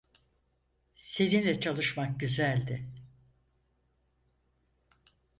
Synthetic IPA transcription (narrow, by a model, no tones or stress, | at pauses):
se̞ninlʲɛt͡ʃʰalˠɯʃmak̚ɟyzælʲd̪ɪ